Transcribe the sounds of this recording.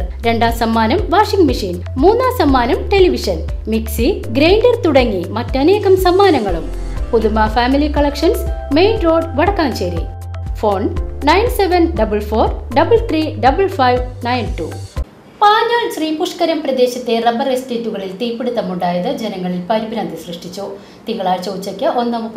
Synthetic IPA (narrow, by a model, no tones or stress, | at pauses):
ɾe̞ɳɖaːsɐmːaːnɐmʋaːʂiŋɡmiʂiːn | muːnːaːsɐmːaːnɐmʈe̞liʋiʂɐn | miksi | ɡɾejɳɖɐrt̪uɽɐŋːimɐtːɐne̞ːɣɐmsɐmːaːnɐŋːɐɭum | puðumaːfaːmilikɐɭɐkʂɐnsme̞jnro̞ːɖʋɐɽɐkːaːmɕeːɾḭ | fo̞ːnnɐjnseʋɐnɖɐbɐɭfoːrɖɐbɐɭt̪ʰriːɖɐbɐɭfɐjʋnɐjnʈu | paːɲaːɭsriːmpuʂkɐɾɐmprɐd̪e̞ːɕɐt̪ːerɐbɐresteːtːuɣɐɭilt̪iːpːeɽut̪ːɐmuɳɖaːjɐðɨd͡ʑe̞nɐŋːɐɭilpɐɾibʱiɾaːnd̪isrɨʂʈit͡ɕːu | t̪iŋːɐɭaːlt͡ɕoːʋt͡ɕːɐkʲːɨʔo̞nːɐm